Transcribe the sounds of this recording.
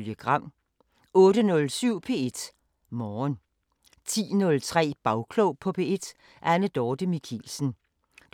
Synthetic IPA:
ljəɡ̥ʁɑ̈m̰ | ɔ̽ːdənɔ̽lsyʊ̰pʰe̝̰ːe̝d̥ | mɒːn | t͡sʰḭːnɔ̽lt͡sʰʁɛ̰ːb̥ɑ̈ʊkʰlɔʊpʰɒ̽pʰe̝ːe̝d̥ | ʔænəd̥ɒːd̥əmikʰḭːlsn̩

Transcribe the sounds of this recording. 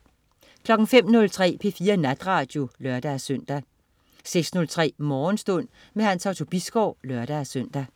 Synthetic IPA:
kʰlɒ̽ɡ̥ŋ̩fem̰nɔ̽lt͡sʰʁɛ̰ːpʰe̝fiːɐnæd̥ʁɑ̈ːd̥jo̝lɶɐd̥æsøn̰d̥æ | seɡ̥snɔ̽lt͡sʰʁɛ̰ːmɒːnsd̥ɔ̽n̰ | mehænsæʊt͡sʰo̝b̥isɡ̥ɒʊ̰lœɐɾ̥æsøn̰d̥æ

